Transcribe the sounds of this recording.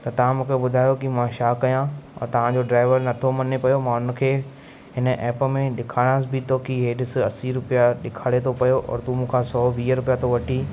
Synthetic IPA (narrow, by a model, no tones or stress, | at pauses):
t̪ɐt̪ɐʋ̤ãmũːkʰeɓʊd̪ʱaːjokimãʃaːkːɐjãɔ̰ːɾt̪ɐʋ̤ãd͡ʑoɖɾaːɪʋəɾnɐt̪ʰomɐnepɐjomãʊnə̆kʰeː | ɦɪnə̆ʔɛːpə̆mẽɗɪkʰaːɽ̃aːsbɪt̪ʰoːkiɦeːɗɪsɪɐsiɾʊpjaɗɪkʰaːɽet̪ʰopɐjoʔɔ̰ːɾt̪umũːkʰãsɔːʋiːəɾʊpijat̪ʰoʋɐʈʰiː